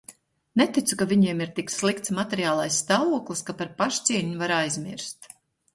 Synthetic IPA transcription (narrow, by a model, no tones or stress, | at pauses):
nɛt̪it̪sukavʲiɲiɛmiɾt̪ikslˠikt̪smat̪ɛɾjaːlˠajsːt̪aːvuɔklˠiskapaɾpaʃt̪siːɲuvaɾajzmiɾst̪